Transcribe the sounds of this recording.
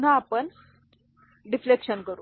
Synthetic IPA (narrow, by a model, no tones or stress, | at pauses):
un̤aːpəɳ | ɖiflekɕənkəɾuː